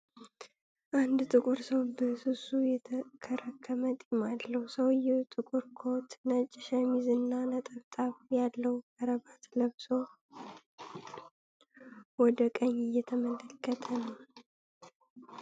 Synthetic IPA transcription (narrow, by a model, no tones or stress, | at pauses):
ʔand̪t̪ʼɨkʼuɾsəwbəsɨsujɛkʰəɾəkʰːəmət̪ʼimalːəhusəwɪjːɛt̪ʼɨkʼuɾkʰo̞t̪nət͡ʃʼːɪʃəmizɨnːanət̪ʼəβt̪ʼaβjalːəwkʼəɾəβat̪ləβso̞ | wɔd̪əkʼəɲɪjːɛt̪ʰəmələkʰːət̪ʰənəw